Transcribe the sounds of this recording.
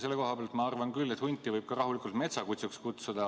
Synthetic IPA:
se̞lːeko̞ɦɑpbeɑlt̪mɑɑrvɑnkylːe̞t̪hunʲt̪ːˑivɤjb̚kɑrɑɦulikˑult̪̚me̞t̪sɑkut̪sukskut̪sud̪ɑ

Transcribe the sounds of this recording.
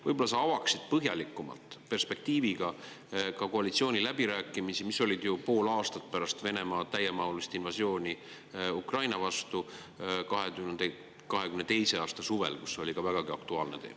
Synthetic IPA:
vɤjbo̞lːɑsɑɑvɑksid̪̥̚pɤɦjɑlikːˑumɑ̰lt̪ˑpe̞rspe̞k̚t̪iːviɡ̥ɑ | kɑko̞ɑlit̪sio̞ːnʲilæb̥iɾæːkːˑimisimisːo̞lʲid̪jupo̞ːlɑːst̪ɑt̪̚pæɾɑst̪ve̞ne̞mɑːt̪æjːemɑulist̪invɑsjo̞ːnʲi | ukrɑjnɑvɑst̪u | kɑɦey | kɑɦe̞ɡymnet̪ejse̞ɑːst̪ɑsuve̞̰lku̥sːo̞lʲikɑvæɡ̥ɑɡiɑkt̪uɑːlne̞̰t̪e̞̰ːmɑ

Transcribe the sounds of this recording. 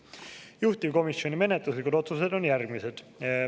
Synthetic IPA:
juht̪ivko̞misjo̞nʲime̞net̪luslikud̪̥o̞t̪suse̞d̪o̞njærɡmise̞d̪̥

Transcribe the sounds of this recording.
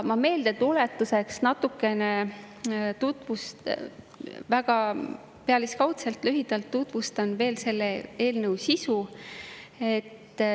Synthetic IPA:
mɑme̞ːld̪et̪ule̞t̪ːˑuse̞ksnɑt̪ːˑukːˑe̞ne | t̪ut̪vust̪ | væɡ̥ɑ | pe̞ɑliskɑwt̪selt̪lyɦid̪̥ɑlt̪ːut̪vust̪ɑnve̞ːlse̞lːee̞ːlnɤwsisu | e̞t̪ː

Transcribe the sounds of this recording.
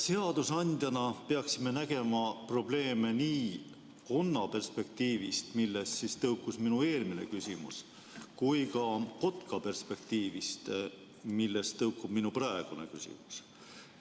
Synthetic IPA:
se̞ɑd̪̥usɑnʲd̪̥jɑnɑpe̞ɑksime̞næɡ̥e̞mɑpro̞ble̞ːme̞niː | ko̞nːɑpe̞rspe̞k̚t̪iːvist̪milːessist̪ɤwkːˑusminue̞ːlmine̞̰kysʲimṵs | kujkɑko̞t̪kɑpe̞rspe̞k̚t̪iːvist̪ | milːe̞st̪ɤwkːˑub̥minuprɑeɡ̥une̞̰kysʲḭmu̥s

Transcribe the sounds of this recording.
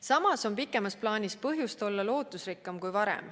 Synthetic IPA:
sɑmɑso̞mpikːˑe̞mɑsplɑːnʲispɤɦjust̪o̞lːɑlo̞ːt̪ˑusrikːˑɑmkujvɑɾḛm

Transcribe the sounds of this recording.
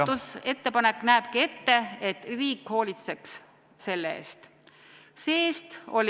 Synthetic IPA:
use̞t̪ːe̞pɑnekːnæeb̥̚kie̞t̪ːe̞et̪ːˑriːkho̞ːlʲit̪se̞ks | se̞lːeḛːst̪ | seːst̪o̞lʲ

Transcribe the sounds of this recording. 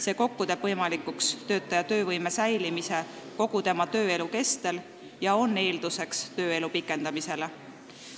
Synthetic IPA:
se̞ːko̞kːut̪e̞b̥vɤjmɑlikukst̪ø̞ːt̪ːˑɑjɑt̪ø̞ːvɤjme̞sæjlimise̞ko̞ɡ̥ut̪e̞mɑt̪ø̞ːe̞luke̞st̪e̞l | jɑo̞nːe̞ːld̪̥use̞kst̪øːe̞lupikːˑe̞nd̪ɑmise̞le

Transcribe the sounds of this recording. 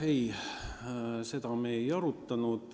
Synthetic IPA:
ej | se̞d̪̥ɑmejɑɾut̪ːɑnud̪̥

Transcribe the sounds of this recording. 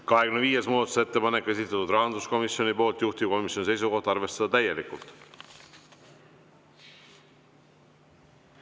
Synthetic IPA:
kɑɦekymnviːjesmuːd̪ɑt̪u̥see̞t̪ːe̞pɑnekːe̞sit̪ːˑɑt̪ud̪rɑɦɑnd̪usko̞misjo̞nipo̞ːlt̪juht̪iko̞misjo̞nise̞jsuko̞ht̪ɑrve̞st̪ɑd̪ɑt̪æje̞likult̪ˑ

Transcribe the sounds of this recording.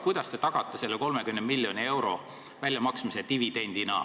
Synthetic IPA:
kujd̪̥ɑst̪e̞t̪ɑɡ̥ɑt̪ːˑese̞lːeko̞lmekymnemilʲːjo̞nʲie̞wɾo̞̰ | vælʲjɑmɑksmiset̪ivid̪̥e̞nʲd̪̥inɑ̰

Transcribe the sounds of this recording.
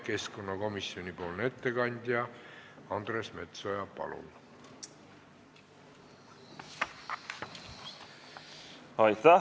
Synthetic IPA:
ke̞skonːɑko̞misːio̞nʲipo̞ːlne̞t̪ːekɑnʲd̪̥ʲjɑɑnd̪̥resme̞t̪so̞jɑpɑ̰lṵn | hɑjt̪ːæ

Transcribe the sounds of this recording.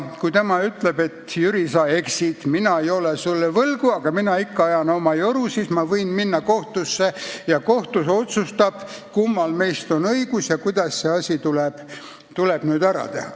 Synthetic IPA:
kujt̪emɑyt̪ˑle̞b̥e̞t̪jyɾisɑeksit̪minɑejo̞lesulːevɤlɡuɑɡ̥ɑminɑikːɑɑjɑno̞mɑjoɾusiːsmɑvɤjnminːɑko̞ht̪usːejɑko̞ht̪uso̞t̪sust̪ɑb̥ | kumːɑlme̞jst̪o̞nɤiɡ̥usjɑkujd̪̥ɑsseɑsʲit̪uleb̥ | t̪uleb̥nyːd̪æɾɑ̰t̪e̞̰hɑ̰

